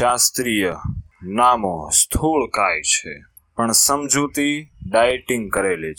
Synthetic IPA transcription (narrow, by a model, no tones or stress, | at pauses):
ast̪ɾijənamõst̪ʰuɭkajt͡ʃʰe | pəɳsəmd͡ʒut̪iɖajʈĩŋɡkəɾeli